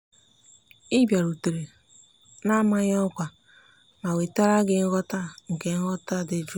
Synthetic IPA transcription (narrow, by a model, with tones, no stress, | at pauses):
i˦bja˨ɾu˨te˨ɾe˨ | na˦ma˦ɲ˦ɔ˦kʷa˨ | ma˨we˨ta˦ɾa˦ɡɪ˦ŋ̩˦ɣɔ˦ta˦ŋ̩˨ke˨˦ŋ̩˦ɣɔ˦ta˦˨dɪ˦d͡ʒu˦